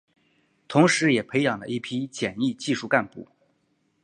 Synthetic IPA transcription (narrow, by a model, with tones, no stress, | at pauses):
t̪ʰʊ˧˥ŋʂɻ̩˧˥jɛ˨˩pʰe˧˥ɪjɑ˨˩ŋlə̰˦ʔi˥˩pʰi˥t͡ɕjɛ˨˩ni˥˧t͡ɕi˥˧ʂu˥˧ka˥˧npu˥˩